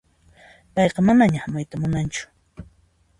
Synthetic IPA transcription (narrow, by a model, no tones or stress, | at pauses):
pɑjqɑmanaɲahamʊjt̪amʊnant͡ʃʊ̥